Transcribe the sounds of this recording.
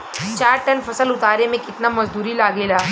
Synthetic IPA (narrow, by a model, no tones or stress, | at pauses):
t͡ʃaːɾʈɐnfɐsəlʊt̪aːɾemẽkɪt̪namɐzd̪uːɾilaːɡeːlaː